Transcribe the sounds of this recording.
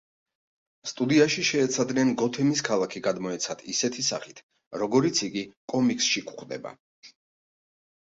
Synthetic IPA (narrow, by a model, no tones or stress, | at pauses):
st̪ʼud̪iaʃiʃɛːt̪sʰad̪nɛnɡɔt̪ʰɛmiskʰalˠakʰiɡad̪mɔɛt̪sʰad̪ʰisɛt̪ʰisa̰χit̪ʰ | ɾɔɡɔɾit̪sʰiɡikʼɔmikʼsʃikʰʼχd̪ɛ̰ba̰